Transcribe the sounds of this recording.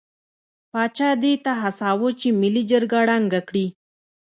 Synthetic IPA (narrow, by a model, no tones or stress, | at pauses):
pɑt͡ʃɑd̪et̪aɦasɑwot͡ʃemilid͡ʒəɾɡaɽaŋɡakɽi